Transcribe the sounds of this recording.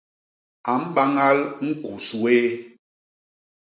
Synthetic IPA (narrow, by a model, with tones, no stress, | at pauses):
a˨m̩˦ɓa˦ŋa˦lŋ̩˦ku˨swe˦